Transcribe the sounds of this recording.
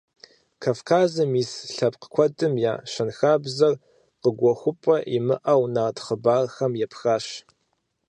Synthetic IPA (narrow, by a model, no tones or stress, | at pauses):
kʰaːfkʰaːzɨmiːsɬɐp̚ʼqəkʷʰɔdʼɨmja̰ːʃɐnxaːbzɐr | qəɡʷɔxʷʊpʼɐʔimɨ̰ʔɐwnatχəbaːrxɐmjɛpxaːɕ